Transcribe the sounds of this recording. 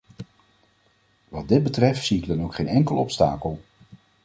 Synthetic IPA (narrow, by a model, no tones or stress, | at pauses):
ʋɑd̚dɪd̚bətrɛftsiɪɡdɑnowkχejnɛŋkəlɔpsta̰ːkəlˠ